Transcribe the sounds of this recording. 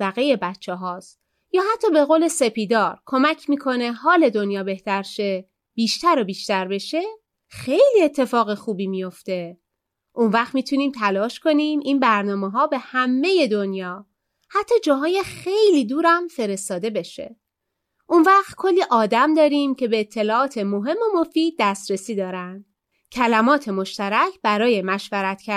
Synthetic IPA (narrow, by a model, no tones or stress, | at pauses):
væɣeje̞bætt͡ʃʰːeɦɒːs | jɒːhæt̪ʰːɒːbe̞ɣoːle̞se̞piːd̪ɒːɾkʰo̞mæcʰmiːkʰo̞ne̞ɦɒːle̞d̪o̞njɒːbe̞ht̪æɾʃe̞ | b̥iːʃt̪æɾobiːʃt̪æɾbe̞ʃe̞ | xe̞jliːe̞t̪ʰːe̞fɒːɣexuːbiːmijo̞ft̪e̞ | ʔunvæχt̪miːt̪ʰuniːmt̪ʰælɒːʃko̞niːmʔiːnbæɾnɒːmeɦɒːbe̞hæmːe̞je̞d̪onjɒː | hæt̪ʰːɒːd͡ʒɒːɦɒːjexe̞jliːd̪uːɾæmfe̞ɾe̞st̪ɒːd̪e̞be̞ʃe̞̰ | ʔunvæːχt̪kʰo̞lːiːʔɒːd̪æmd̪ɒːɾiːmcʰe̞be̞ːt̪ʰːe̞lɒːʔɒːt̪ʰe̞mo̞ɦe̞mːo̞mo̞fiːd̪̥̚ːæst̪ɾesiːd̪ɒːɾænd̪̥ | cʰælæmɒːt̪ʰe̞mo̞ʃt̪æɾæcʰb̥æɾɒːje̞mæʃvæɾæt̪ʰcʰæ